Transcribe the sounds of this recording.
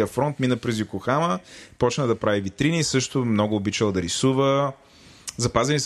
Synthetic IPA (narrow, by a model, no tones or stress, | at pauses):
iəfɾɔnt̪minəpɾɛzjʊkoxaməpɔt͡ʃnəd̪ɐpɾavivit̪ɾinisɤʃt̪ʊmnɔɡʊːbit͡ʃəlˠd̪ɐɾisuvə | zɐpazɛnis